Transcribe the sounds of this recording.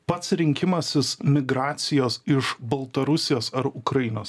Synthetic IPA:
pɐt̪sɾʲɪŋʲkʲɪmɐsʲɪsmʲɪɡɾɑːt̪sʲɪjoːsɪʃbɐlˠt̪ɐɾʊsʲɪjoːsɐɾʊkɾɐjɪnoːs

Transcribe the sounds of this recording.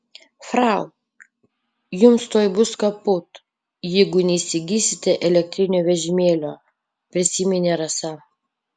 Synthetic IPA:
fɾɑˑʊ | jʊmst̪oːjbʊskɐpʊt̪ | jɛɪɡʊnʲɛisʲɪɡʲiːsʲɪt̪ʲɛʔɛlʲɛk̚ʲt̪ʲɾʲɪnʲoːʋʲɛʒʲɪmʲeːlʲoː | pʲɾʲɪsʲimʲɪnʲeːɾɐsɐ

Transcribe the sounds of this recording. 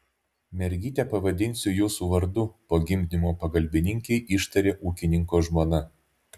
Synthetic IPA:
mʲɛɾʲɡʲiːt̪ʲɛpɐʋɐd̪ʲɪnʲsʲʊjuːsuːʋɐɾd̪ʊpoːɡʲɪmʲd̪ʲɪnʲɪmoːpɐɡɐlʲbʲɪnʲɪŋʲkʲɛɪʔɪʃt̪ɐɾʲeːʔuːkʲɪnʲɪŋkoːʒmoːnɐ

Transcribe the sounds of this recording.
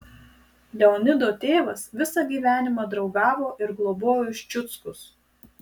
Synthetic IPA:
lʲɛɔnʲɪd̪oːt̪ʲeːʋɐsʋʲɪsɑɡʲiːʋʲæːnʲɪmɑːd̪ɾɒʊɡɑːʋoːʔɪɾɡlˠɔboːjɪʃʲt͡ʃʲʊt̪skʊs

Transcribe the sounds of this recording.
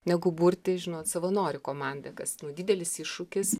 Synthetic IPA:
nʲɛɡʊburʲt̪ʲɪʒʲɪnoːt̪sɐʋɐnoːɾʲɪkoːmɑnʲd̪ɐkɐsnʊd̪ʲiːdʲɛlʲɪsɪʃʊkʲɪs

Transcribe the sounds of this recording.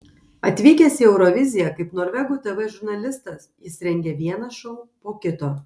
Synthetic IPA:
ɐt̪ʲʋʲiːkʲɛsʲɪɛʊɾɔʋʲɪzʲɪjɛkɐɪpnoːɾʲʋʲɛɡʊːˑt̪ʲɛʋɛʒʊɾnɐlʲɪst̪ɐsjɪsɾʲɛŋʲɡʲɛʋʲiɛnɐʃɔʊpoːkʲɪt̪oː

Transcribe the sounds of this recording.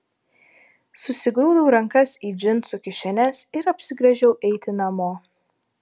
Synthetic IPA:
sʊsʲɪɡɾuːd̪ɐʊɾɐŋkɐsiːd͡ʒʲɪnt̪sʊkʲɪʃʲɛnʲɛsɪɾɐpʲsʲɪɡɾʲɛʒʲɛʊʔɛɪt̪ʲɪnɐmoː

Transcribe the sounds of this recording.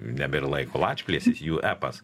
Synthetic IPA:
nʲɛbʲɪrlˠɐɪkolˠɑːt͡ʃʲpʲlʲiɛsʲɪsjuːʔæːpɐs

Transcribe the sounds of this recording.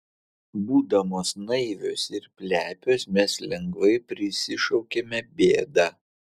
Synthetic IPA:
buːd̪ɐmoːsnɐɪʋʲo̰ːsɪɾpʲlʲæːpʲoːsmʲɛslʲɛŋɡʋɐɪpʲɾʲɪsʲɪʃɒʊkʲemʲɛbʲeːd̪ɑ

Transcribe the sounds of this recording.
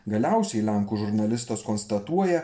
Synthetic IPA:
ɡɐlʲæˑʊsʲɛɪlʲæŋkuːʒʊɾnɐlʲɪst̪oːskoːnst̪ɐt̪uɔjɛ

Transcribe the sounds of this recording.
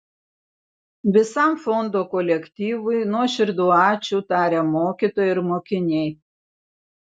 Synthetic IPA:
ʋʲɪsɐˑmfɔnd̪oːkɔlʲɛkʲt̪ʲiːʋʊɪnuɔʃʲɪɾd̪uːɑːt͡ʃʲuːt̪ɑːɾʲemoːkʲiːˑt̪oːjɪɾmoːkʲɪnʲɛɪ

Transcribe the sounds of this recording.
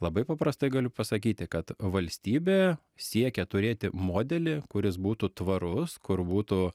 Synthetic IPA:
lˠɐbɐɪpɐpɾɐst̪ɐɪɡɐlʲʊpɐsɐkʲiːt̪ʲɪkɐt̪ʋɐlʲsʲt̪ʲiːbʲeː | sʲiɛkʲɛt̪ʊɾʲeːt̪ʲɪmoːd̪ʲɛlʲɪkʊɾʲɪsbuːt̪uːt̪ʋɐɾʊskʊɾbuːt̪uː

